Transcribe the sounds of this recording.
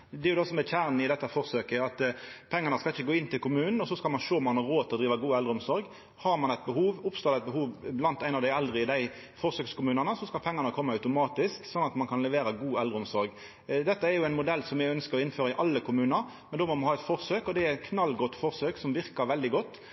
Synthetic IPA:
d̪ɛɾjʊd̪oːsɔmɛçæʁnɪd̪ɛt̪ːəfɔʁsøːkəɑt̪pʰɛŋːənəskɑlɪçːəɡoːɪnːt̪ʰɪlkʰʊmʉːnn̩ɔsɔskɑlmɑnʃoːmɑnhɑɾoːt̪ʰɪlɔd̪ɾiːʋəɡuːɛld̪ɾəʊmsɔɾɡ | hɑɾmɑnɛɪt̪̚bəhuːʋʊpst̪oːd̪ɛt̪̚bəhuːʋblɑnt̪æɪnɑʋd̪æɪɛld̪ʁəɪd̪æɪ | fɔʁsøːkskʰʊmʉːnənəsɔskɑlpʰɛŋːɑnəkʰɔmːɑœʉt̪ʊmɑːt̪ɪsksɔnːɑt̪mɑnkʰɑnlɛʋeːɾəɡuːɛld̪ɾəʊmsɔɾɡ | d̪ɛt̪ːəæɾjʊæɪnmʊd̪ɛlːsɔmjæɪœnskəɾɔɪnføːɾəɪʔɑlːəkʊmʉːnəɾ | mɛnd̪oːmɔmɑnhɑːɛt̪fɔʁsøːkɔd̪ɛæɾɛt̪kʰnɑlːɡɔt̪ːfɔʁsøːksɔmʋɪʁkəɾʋɛld̪ɪɡɔt̪ː

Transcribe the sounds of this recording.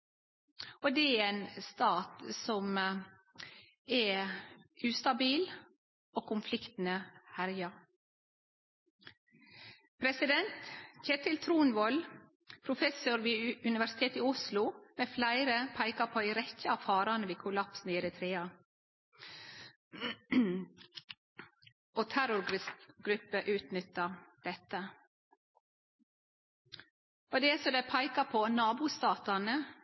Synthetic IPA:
od̪ɛæenst̪ɑːt̪sɔm | ɛ | ʉːst̪ɑbiːl | oːkʊmflɪkt̪n̩əhæɾjɑ | pʰɾɛsɪd̪ɛnt̪çet̪ʰɪlt̪ʰɾuːnʋɔl | pʰɾʊfɛsʊɾʋiːʉnɪʋæʂɪ̥t̪ʰeːt̪iːʊslʊmeːflæɪɾəpʰæɪkɑpʰoːd̪ɪɾɛçəɑʋfɑːɾɑnəʋiːkʰʊlɑpsn̩iːɾɛt̪ʰɾeːɑ | ot̪ʰæɾʊɾɡ̥ɾʉpːəʔʉːt̪nʏt̪ːəd̪̥ɛt̪ːə | ɔd̪ɛæsɔd̪æɪpʰæɪkɑpʰonɑːbuːst̪ɑːt̪ɑnə

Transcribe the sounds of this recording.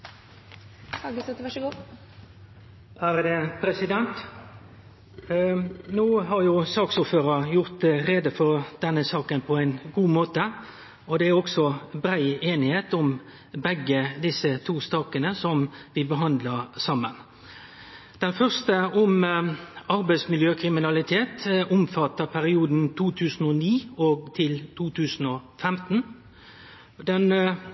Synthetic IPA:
hɑɡəsɛt̪ʋɑʂəɡuː | æɾd̪ɛpʰɾɛsɪd̪ɛnt̪ | nuːɦɑɾjʊsɑːksʊːɾføːɾəjʊʁt̪ɾeːd̪əfɔɾd̪̥ɛnːəsɑːkənpʰɔæɪnɡuːmoːt̪ə | ɔd̪ɛæɾɔksɔbɾæɪeːnɪheːt̪ʊm | bɛɡːəd̪ɪsət̪ʰuːst̪ɑːkənəsɔmʋɪbəɦɑnd̪ləʁsɑmːən | d̪̥ɛnfœʁst̪əɔm | ɑɾbæɪsmɪljøːkʰɾɪmɪnɑlɪt̪ʰeːt̪ʊmfɑt̪əpʰæɾɪuːd̪n̩t̪ʰuːt̪ʰʉːsn̩ɔniːɔɡt̪ʰɪlt̪ʰuːt̪ʰʉːsn̩ɔfɛmt̪n̩ | d̪ɛn

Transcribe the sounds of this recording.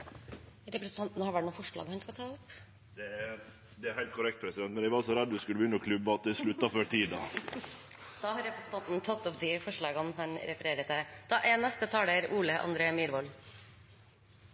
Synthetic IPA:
ɾɛpɾɛsən̩t̪ʰɑnt̪n̩hɑʋæʈɳuːnfɔʂɭɑ̰ːɡhɑnskɑt̪ʰɑːʊp | d̪ɛ | d̪ɛæɾhæɪlt̪̚kʰʊɾɛk̚t̪̚pʰɾɛsɪdɛnt̪mɛnæɪʋɑsɔɾɛd̪ːd̪ʉskʉləbʏnəɔkʰlʉbɑt̪̚d̪ɛsɭʉt̪ːɑføʈ̪ʰiːd̪ɑ | d̪̥ɑːhɑɾɛpɾɛsn̩t̪ɑnt̪n̩t̪ʰɑt̪ːɔpd̪ɪfɔʂɭɑːɡənɦɑɲɾɛfəɾeːɾət̪əd̪̥ɑːʔɛnɛst̪ət̪ʰɑːləɾuːləʔɑ̰nd̪ɾeːəmiːɾʋɔl

